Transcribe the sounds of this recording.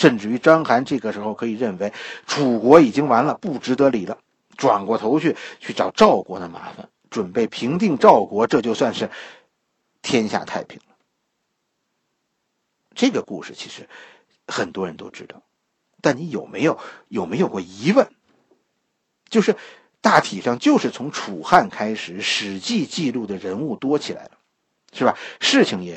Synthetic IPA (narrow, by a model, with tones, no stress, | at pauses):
ʂə˥˧nʈ͡ʂɻ̩˥˩y˧˥ʈ͡ʂɑ˥ŋxa˧˥nʈ͡ʂɤ˥˩ɡə˩ʂɻ̩˧˥xo˥˧ʊkʰɤ˧˥i˨˩ɻə˥˩nwe˧˥ɪʈ͡ʂʰu˨˩kwɔ˧˥i˨˩t͡ɕi˥ŋwa˧˥nlə˧pu˥˩ʈ͡ʂɻ̩˧˥t̪ɤ˧˥li˨˩lə˦ | ʈ͡ʂwa̰˨˩nkwɔ˥˩t̪ʰo˧˥ʊt͡ɕʰy˥˧t͡ɕʰy˥˩ʈ͡ʂɑ˨˩ʊʈ͡ʂɑ˥˩ʊkwɔ˧˥d̪ə˧ma̰˧˥fa̰˨˧n | ʈ͡ʂwə˨˩npe˥˩ɪpʰi˧˥ŋt̪i˥˧ŋʈ͡ʂɑ˥˩ʊkwɔ˧˥ʈ͡ʂɤ˥˧t͡ɕjo˥˧ʊswa˥˧nʂɻ̩˥˩ | t̪ʰjɛ˥nɕja̰˥˧t̪ʰa˥˩ɪpʰḭ˧˩ŋlə˦ | ʈ͡ʂɤ˥˩ɡə˩kṵ˥˧ʂɻ̩˥˩t͡ɕʰi˧˥ʂɻ̩˧˥ | xə˨˩nt̪wɔ˥ɻə˧˥nt̪o̰˥ʊʈ͡ʂɻ̩˥t̪ɑ˥˩ʊ | t̪a˥˩ni˧˥jo˨˩ʊme˧˥ɪjo˨˩ʊjo˨˩ʊme˧˥ɪjo˨˩ʊkwɔ˥˩i˧˥wə˥˩n | t͡ɕjo˥˧ʊʂɻ̩˥˧ | t̪a˥˩t̪ʰi˨˩ʂɑ˥˧ŋt͡ɕjo˥˧ʊʂɻ̩˥˩t͡sʰʊ˧˥ŋʈ͡ʂʰu˨˩xa˥˩nkʰa˥ɪʂɻ̩˨˩˦ʂɻ̩˧˥t͡ɕi˥˧t͡ɕi˥˧lu˥˩d̪ə˩ɻə˧˥nu˥˩t̪wɔ˥t͡ɕʰi˨˩la̰˧˥ɪlə˧ | ʂɻ̩˥˩ba˨˩ʂɻ̩˥˩t͡ɕʰi˩ŋjɛ˨˩